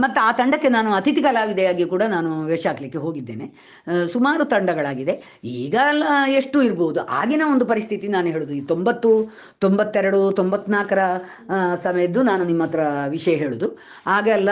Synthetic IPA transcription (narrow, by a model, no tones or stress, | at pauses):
mɐt̪ːuaːt̪ɐɳɖɐkːe̞naːnuɐt̪it̪ikɐlaːʋid̪ɐjaːɡikuːɽɐnaːnuʋeʂaːkɐlikːe̞ɦo̞ːɡid̪ːe̞ːne̞ | sumaːɾut̪ɐɳɖɐɡɐɭaːɡid̪e̞ | iːɡɐlːɐe̞ʂʈuiɾboːud̪uʔa̰ːɡinɐond̪upɐɾist̪ʰit̪inaːnuɦe̞ːɭud̪uiːt̪o̞mbɐt̪ːu | t̪ombɐt̪ːɛɾɐɽut̪ombɐt̪ːnaːkɐɾɐ | sɐmɐjɐd̪ːunaːnunimːɐt̪ːɐɾɐʋiʂɐjɐɦe̞ːɭud̪u | aːɡɛlːɐ